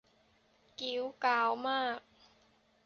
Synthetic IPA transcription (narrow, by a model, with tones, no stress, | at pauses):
ki˨˩˦wkaː˨˩˦wmaː˥˩k̚